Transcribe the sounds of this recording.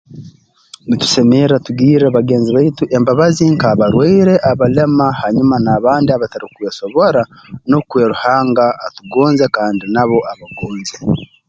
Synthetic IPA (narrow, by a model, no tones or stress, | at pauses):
nitu̥se̞meɾatuɡiːɾeβaɡe̞ːnziβaituʔe̞mbaβaziŋkaːβaɾweiɾe̞ʔaβale̞mahaɲumanaːβaːndiaβataɾikweːso̞βo̞ɾa | no̞kweːɾuhaːŋɡaːtuɡoːnzekaːndinaβo̞ʔaβaɡoːnze